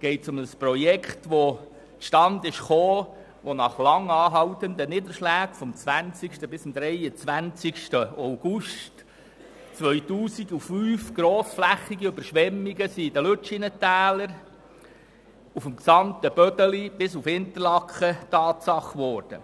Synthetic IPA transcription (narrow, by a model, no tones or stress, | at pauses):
ɡ̥ɛɪtsʊməsprɔjɛkχtʋo | t͡sʃtɑnd̪ɪʃχoː | ʋonɑχlɑŋɑːɦɑwt̪ənd̪ənɪdəɾʃlæːɡ̥fɔmt͡sʋænt͡sikʃtəbɪsʊmd̥̪ɾɛjət͡sʋænt͡sikʃtəaʊɡ̥uʃt | t͡sʋœʏtuːsiɡufyːfɡ̥ɾoːsflæχiɡiøbəɾʃʋɛmːiɡəsid̥̪əløt͡ʃinətæːləɾ | ufɔmksɑmt̪əb̥œdəlib̥ɪsufɪnt̪ərlɑkχətɑːtsɑχʋɔːɾd̥ə̰